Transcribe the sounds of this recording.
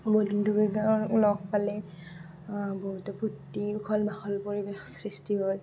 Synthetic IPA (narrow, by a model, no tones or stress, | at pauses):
bodindʱuɡiɡalɔk̚palɛ | boɦutɛpʰutːiʊkʰɔlbaxɔlpoɹibexsɹistiɦoj